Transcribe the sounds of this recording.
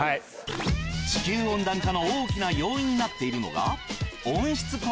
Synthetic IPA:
a | t͡ɕi̥kʲɨːõ̞nd̪ãŋkano̞oːkʲinajo̞ːĩɲ̟ːinat̪ːe̞iɾɯ̟no̞̰ɡa̰õ̞ɰ̃ɕi̥t͡sɨko

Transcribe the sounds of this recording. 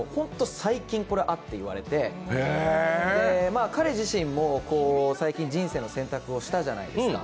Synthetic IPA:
hõ̞nt̪o̞saikʲĩŋko̞ɾe̞ʔat̪ːe̞iβa̰ɾe̞t̪e̞ed̪e̞makaɾe̞ʑiɕĩmːo̞ko̞ːsaikʲĩɲ̟d͡ʑĩɰ̃se̞ːno̞sẽ̞nt̪akɯ̟o̞ɕi̥t̪aʑana̰ḭd̪esɨ̥ka̰

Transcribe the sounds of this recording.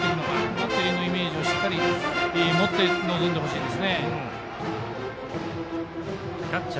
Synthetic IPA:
eɾɯnoɡaɾɯnat̪ːejɯnːoime̞ːʑio̞ɕi̥t̪ːaɾʲiemo̞t̪ːe̞no̞zond̪e̞ɦo̞ɕiːd̪e̞sɨne

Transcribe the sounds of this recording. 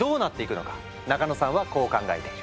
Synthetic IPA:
o̞ːnat̪ːe̞ikɯ̟no̞̰kḁ | nakanosãɰ̃βako̞ːkãŋɡaet̪e

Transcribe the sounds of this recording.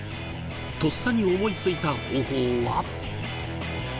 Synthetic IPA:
t̪o̞sːaɲ̟io̞mo̞it͡sɨit̪aho̞ːhoːβa

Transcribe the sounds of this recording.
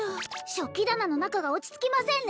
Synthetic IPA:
ɕo̞kʲid̪anano̞nakaɡao̞t͡ɕi̥t͡sɨ̥kʲimasẽ̞n

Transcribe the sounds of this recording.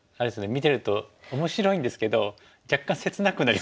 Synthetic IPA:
aɾeesɨnemʲit̪e̞ɾɯ̟t̪o̞omo̞ɕiɾo̞ĩnd̪e̞sɨ̥ke̞d̪o̞ | d͡ʑakːãse̞t͡sɨnakɯ̟naɾʲi

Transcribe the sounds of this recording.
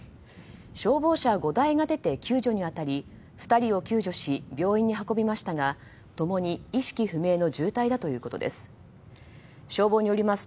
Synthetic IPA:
ɕo̞ːbo̞ːɕaɡo̞d̪aiɡad̪e̞t̪e̞kʲɨːʑo̞ɲ̟iβat̪aɾʲi | ɸɯ̥t̪aɾʲio̞kʲɨːʑo̞ɕibʲo̞ːĩɲ̟ːiɦako̞bʲimaɕi̥t̪aɡa | t̪o̞mo̞ɲ̟iiɕi̥kʲiɸɯ̟me̞ːno̞d͡ʑɨːt̪aid̪at̪o̞jɯ̟ːko̞t̪o̞̰d̪ḛsɨ̥ | ɕo̞ːbo̞ːɲ̟ijo̞ɾʲimasɨ̥

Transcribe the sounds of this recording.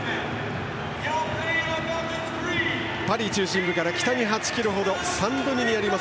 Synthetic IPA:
paɾʲit͡ɕɨːɕĩmbɯ̟kaɾakʲt̪aɲiɦat͡ɕi̥kʲiɾoɦo̞d̪o̞sãnd̪oɲʲiɲ̟iaɾʲima

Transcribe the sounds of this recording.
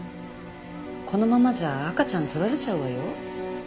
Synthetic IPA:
konomamad͡ʑaːk͈at͡ɕant̪ɯɾaɾɯt͡ɕ͈awajo

